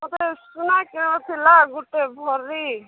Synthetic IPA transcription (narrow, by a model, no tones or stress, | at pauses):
mɔt̪esunakeɽ̃ɔt̪ʰilaɡuʈebʱɔɾi